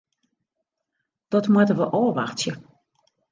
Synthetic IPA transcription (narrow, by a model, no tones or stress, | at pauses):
d̥ɔtmwatəʋəʔoːʋaxtjə